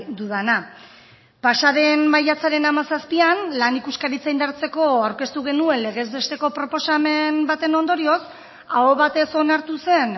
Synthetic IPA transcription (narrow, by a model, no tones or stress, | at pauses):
d̪uðana | paʃaɾe̞nmajat͡saɾe̞namasaspianlanikuskaɾit͡saijnd̪aɾt͡se̞ko̞awɾke̞st̪uɣ̞e̞nue̞nle̞ɣ̞e̞zβe̞st̪e̞ko̞pɾo̞po̞same̞nbat̪e̞no̞nd̪o̞ɾio̞s | aoβat̪e̞so̞naɾt̪use̞n